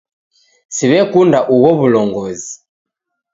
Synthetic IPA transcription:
siβɛkundaʔuɣɔβulɔŋɡɔzi

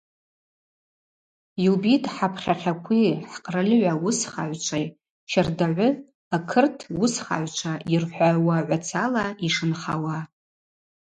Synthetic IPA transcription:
jubitʼħapʰχʲaχʲakʷʰiħqʼrɨlʕʷawʊsχa̰ʕʷt͡ʃʷʰaj | t͡ʃʰardaʕʷʊ | akʰɨrtʰwʊsχa̰ʕʷt͡ʃʷʰairħʷawaʕʷat͡sʰalaiʂɨnχa̰wa

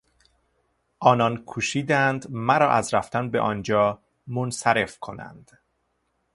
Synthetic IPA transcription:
ʔɒːnɒnkʰuːʃiːd̪ænd̪mæɾɒːʔæzɾæft̪ʰænbeʔɒːnd͡ʒɒː | monsæɾe̞fkʰo̞̰næ̰nd̪̥

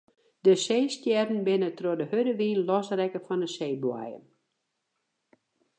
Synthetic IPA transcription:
dəseːstjɛrdn̩bɪnətrodəhødəʋiːnlɔsrɛkəfɔndəseːbwa̰jə̰n

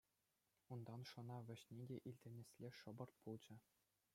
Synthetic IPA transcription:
und̪ɑnʂɤ̆nɑʋʲɘ̆ɕnʲedʲeʔilʲdʲĕnʲesʲlʲeʂɤ̆bɤ̆rt̪̚pulˠd͡ʑɘ̆

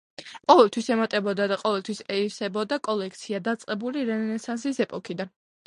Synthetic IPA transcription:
qʼɔvɛlˠt̪ʰwisɛmat̪ʼɛbɔd̪ad̪aqʼɔvɛlˠt̪ʰwisɛiɾsɛbɔd̪akʼɔlɛk̚ʰt̪sʰiad̪at̪sʼqʼɛbuliɾɛnnɛsansisɛpʼɔkʰid̪an

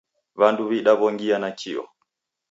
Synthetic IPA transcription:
βanduβiɗaβɔŋɡianat͡ʃiɔ̰

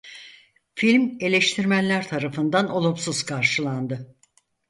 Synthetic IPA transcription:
filʲme̞lʲeʃt̪ʰiɾmænlːʲæɾt̪ʰaɾafɯnd̪ano̞lˠumsuz̥kʰaɾʃɯlˠand̪ɯ

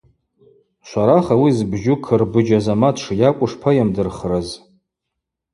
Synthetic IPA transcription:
ʃʷaɾaχawizbʒʊkʰɨrbɨd͡ʒazamatʰʂjakʷʼʊʂpʰajamdɨrχraz

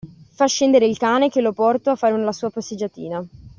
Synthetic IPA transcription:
faʃːɛnd̪eɾeilkaːnek̟elopɔrt̪oafːaːɾenlasuːapasːed͡ʒːat̪ḭːna

